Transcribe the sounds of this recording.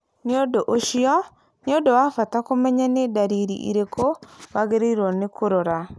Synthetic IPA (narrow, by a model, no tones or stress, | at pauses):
neodoʔoʃiɔ | neodowafatakomɛɲanedaɾiɾḭʔḭɾekʰowaɣeɾeiɾwɔnekoɾoɾa